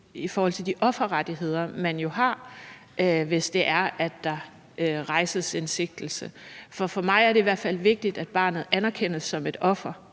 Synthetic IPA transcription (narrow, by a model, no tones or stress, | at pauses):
ifɔːhɒ̽l̰t͡sʰe̝ld̥iʔɒ̽fɐʁɑd̥iɦe̝ð̞̰ˠɐmænjo̝ɦɑ̈ | ʔʋe̝sd̥e̝ʔæɐʔæd̥ːɑ̈ | øʁɑ̈ɪsəsense̝ɡ̥̚d̥l̩səfɒ̽fɒ̽mɑ̈ɪæɐɾeiʋæɐ̰d̥fæl̰ʋe̝ɡ̥̚d̥id̥æd̥b̥ɑ̈ːnð̩ˠænɐkʰen̰əsːɒ̽me̝d̥ɒ̽fɐ